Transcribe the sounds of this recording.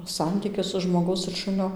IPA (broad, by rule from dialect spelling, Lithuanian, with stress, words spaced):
ˈsɐnʲtʲiːkʲɪs sʊ ʒmoːˈɡɐʊs ɪr ˈʃʊnʲoː